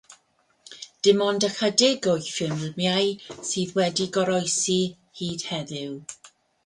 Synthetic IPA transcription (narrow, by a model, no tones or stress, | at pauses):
d̥ɪmɔndəkədɛɡʊjfɪmlmjajsiːðwɛdiɡɔɾɔjsi | hiːd̥hɛðɪw